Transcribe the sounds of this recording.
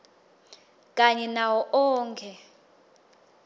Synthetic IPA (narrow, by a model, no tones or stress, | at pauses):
kʼaɲɛnawɔʔɔːŋkʰɛ